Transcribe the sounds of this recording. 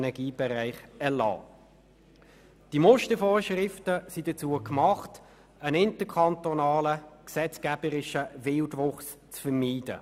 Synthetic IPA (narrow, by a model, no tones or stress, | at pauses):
nɛɡ̥iːb̥ɛʁæɪχɛlɑ̰ː | d̥imɔʃtəfɔːʃrɪftəsid̥ət͡suəkmɑχt | ənɪntəkʰɑntɔnɑːləksɛt͡skæb̥əɾɪʃəvɪltʋʊχst͡sfəɾmiːd̥ə̰